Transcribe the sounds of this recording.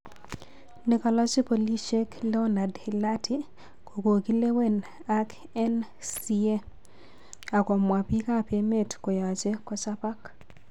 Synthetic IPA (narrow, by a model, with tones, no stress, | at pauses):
ne˨ka˨lɔ˦si˦po˨li˦ʃe˦kle˦o˦na˨dhi˨la˦tʰi˦ | ko˨ko˨ki˦le˦we˦˨n | a˦k | ɛ˦n | si˦e˦ | a˨kɔ˨mwa˨pi˦ka˦˨pje˦me˦tkɔ˨ja˨t͡ʃe˦kɔ˦sa˦pa˦k